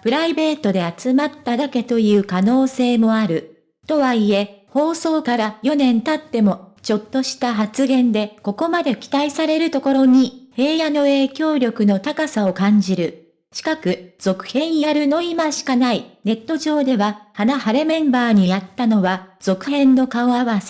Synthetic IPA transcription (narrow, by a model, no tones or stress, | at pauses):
pɯ̟ɾaibe̞ːt̪o̞d̪e̞at͡sɨmat̪ːad̪ake̞t̪o̞jɯ̟ːkano̞ːse̞ːmo̞aɾɯ̟ | t̪o̞βaie̞ho̞ːso̞ːkaɾajo̞nẽ̞nt̪at̪ːe̞mo̞t͡ɕo̞t̪ːo̞ɕi̥t̪aɦat͡sɨɡẽ̞nd̪e̞ko̞ko̞mad̪e̞kʲi̥t̪aisaɾe̞ɾɯ̟t̪o̞ko̞ɾo̞ɲ̟ihe̞ːjano̞e̞ːkʲo̞ːɾʲjo̞kɯ̟no̞t̪akasao̞kãɲ̟d͡ʑiɾɯ̟ | ɕi̥kakɯ̟z̥o̞kɯ̟̥hẽ̞ɰ̃jaɾɯ̟no̞imaɕi̥kanaine̞t̪ːo̞ʑo̞ːd̪e̞βahanahaɾe̞mẽ̞mbaːɲ̟ijat̪ːano̞βaz̥o̞kɯ̟hẽ̞nːo̞kaoaβase̥